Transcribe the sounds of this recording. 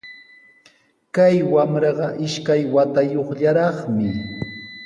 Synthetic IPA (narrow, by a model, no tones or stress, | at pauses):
kajwamɾɑɢɑʔɪʃkajwat̪ajoχʎaɾɑχmɪ